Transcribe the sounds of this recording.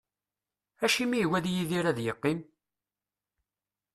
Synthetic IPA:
æʃimiwæðjiðiɾæðjəqːim

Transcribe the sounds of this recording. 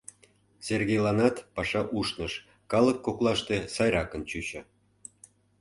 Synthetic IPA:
serɣejlɑnɑt̪pɑʃɑʔuʃnəʃ | kɑləkːoklɑʃt̪esɑjɾɑkə̆nt͡ɕyt͡ɕə̆

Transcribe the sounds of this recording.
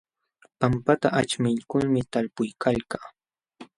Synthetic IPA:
pampat̪aʔat͡ʃmɪʎkʊlmɪt̪alpʊjkʰalkaː

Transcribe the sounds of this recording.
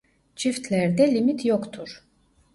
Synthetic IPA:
t͡ʃʰift̪ʰlʲæɾd̪ɛlʲimit̪ʰjokt̪ʰuɾ̥

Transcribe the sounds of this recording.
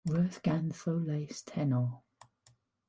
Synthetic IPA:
ɹɜːˑθɡ̥anθowleɪstʰɛnɔ

